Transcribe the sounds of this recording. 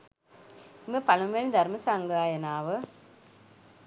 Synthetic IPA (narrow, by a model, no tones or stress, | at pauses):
imepɐlɐmʋelid̪ʱɐɾmɐsaːŋɡɐaːjɐnaːʋə